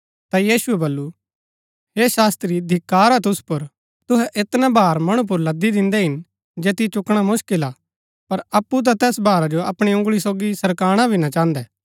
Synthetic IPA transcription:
t̪ajiːsʊɛbɐlːu | ɦeːʃaːst̪ɾid̪ʱɪkːaːɾat̪̬ʊspʊɾ | t̪ʊɦɛʔɪt̪nabaːɾmɐɽ̃up̬ʊɾlɐd̪ːid̪ɪ̃nd̪ɛɦɪn | d͡ʒeːt̪it͡ʃʊkɽ̃amʊʃkɪla | pɐɾɐpːut̪̬ãt̪ɛːsbaːɾad͡ʒoɐpɽ̃iʊ̃ŋɡɭis̬oːɡisɐɾkaːɽ̃abʱinat͡ʃãːnd̪ɛː

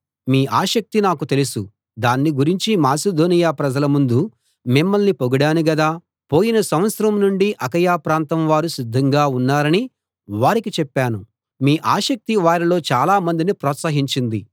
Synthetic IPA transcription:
miːʔaːʃɐk̚t̪inaːkut̪e̞lusu | d̪aːnːiɡuɾiɲt͡ʃimaːsed̪o̞ːnijaːpɾɐd͡ʒɐlɐmund̪u | mimːɐlnipoɡɐɽaːniɡɐd̪aː | po̞ːjinɐsɐmʋɐt̪sɾɐmnuɳɖiʔɐkɐjaːpɾaːnt̪ɐmʋaːɾusid̪ʱːɐŋɡaːunːaːɾɐni | ʋaːɾikit͡ʃɛpːaːnu | miːʔaːʃɐk̚t̪iʋaːɾilo̞ːt͡ʃaːlaːmɐnd̪inipɾɔːt̪sɐɦiɲt͡ʃind̪i

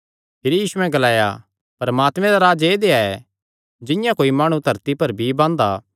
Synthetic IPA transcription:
pʰɪɾijiːsuɛ̃ɡɐlaːja̰ | pɐɾɐmaːt̪mɛ̃d̪aɾaːd͡ʒeːd̪eːaɛ | d͡ʒɪ̃jãkoːimaːɽ̃ũt̪ɐɾt̪ipɐɾbʱibãːnd̪a̰ː

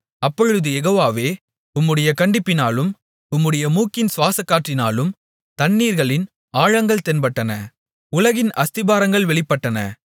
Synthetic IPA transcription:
ɐpːɔɻɯðɯɛɣoːʋaːʋeː | ʊmːɯɽɐjɐkɐɳɖɪpːɪnaːlɯm | ʊmːɯɽɐjɐmuːkːɪnsʋaːsɐkːaːʈrɪnaːlɯm | t̪ɐnːiːɾɣɐɭɪn | aːɻɐŋɡɐɭt̪ɛnpɐʈːɐnɐ | ʊlɐɣɪnʔɐst̪ɪbaːɾɐŋɡɐɭʋɛɭɪpːɐʈːɐnɐ̰

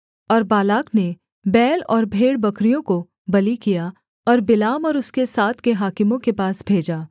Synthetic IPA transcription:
ɔːɾbaːlaːkne | bɛːlɔːɾbʱeːɽbɐkɾijõko | bɐlikija | ɔːɾbɪlaːmɔːɾʊskesaːt̪ʰkeɦaːkɪmõkepaːsbʱeːd͡ʒaː

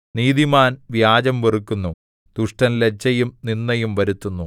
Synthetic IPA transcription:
niːðimaːnʋjaːd͡ʑɐmʋerikːunːu | d̪̥uʂʈɐnlet͡ɕːɐjumninːɐjumʋɐɾut̪ːunːu

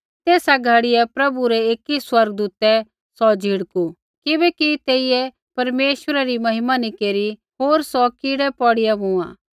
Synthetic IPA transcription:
t̪eːsaɡʱaɽɪɛpɾɐbuɾɛeːkiswɐɾɡəd̪uːt̪ɛ | sɔd͡ʒʱɪɽku | kɪbɛkit̪eːijɛ | pɐɾmeːʃwəɾaɾimɐɦɪmanĩkeːɾi | ɦoːɾsɔkiːɽɛpɔːɽɪjabũã̰ː

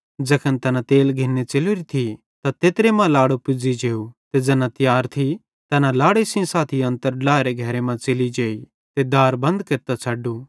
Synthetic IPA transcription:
d͡ʒɐkʰənt̪ɐnat̪eːlɡʱɪnːet͡ʃelɾit̪ʰi | t̪at̪eːt̪ɾemãlaːɽupʊd͡zid͡ʒeːut̪ed͡ʒɐnãt̪ɪjaːɾt̪ʰi | t̪ɐnãlaːɽesĩsaːt̪ʰiɐ̃nt̪əɾlaːɾeɡʱɐɾemãt͡ʃelid͡ʒeːi | t̪ed̪aːɾbɐ̃nd̪keɾt̪at͡ʃʰɐɖuː

